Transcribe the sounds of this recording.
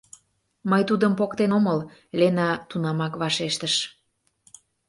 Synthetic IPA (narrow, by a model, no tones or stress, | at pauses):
mɤjt̪ud̪əmpokt̪enoməllenɑt̪unɑmɑkβɑʃeʃt̪əʃ